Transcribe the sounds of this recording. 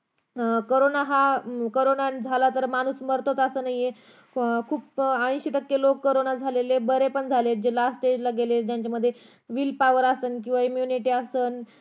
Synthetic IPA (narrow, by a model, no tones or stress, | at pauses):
koɾonaɦakoɾonad͡zʱalat̪əɾmañuːsməɾt̪ʰot͡səsəːnaɦije | kʰuːpãj̃ɕit̪əkːelokːəɾonad͡zʱalelebəɾepəɳd͡zʱaled͡ʑelasʈed͡ʑlaɡeled͡ʑjaɲt͡ɕaməd̪ʱːje | ʋiːlpaʋəɾasənk̬ĩw̃ʋaimjuniʈiəsəːn